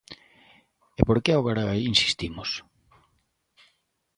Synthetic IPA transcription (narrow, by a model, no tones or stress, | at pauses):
epoɾkeaoɣaɾainsi̥st̪imʊs